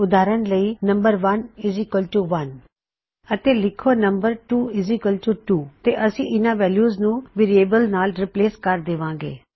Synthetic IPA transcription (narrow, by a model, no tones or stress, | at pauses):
ʊd̪aːɾənləiːnɐ̃mbəɾʋənɪzɪkəlʈuʋən | ət̪eːlɪkʰonəmbəɾʈuːɪzikəlʈuːʈuːt̪eʔəsĩːʔɪnãːʋɛːljuːznũːʋeːɾieːbəlnaːlɾɪpleːskəɾd̪eːʋãːɡḛː